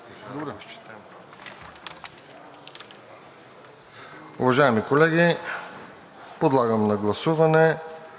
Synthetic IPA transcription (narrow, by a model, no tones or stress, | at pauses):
t͡ʃt̪ɛ | ʊ̰vɐʒaɛmikolɛɡʲi | pod̪lˠaɡəmnɐɡlˠɐsuvɐnɛ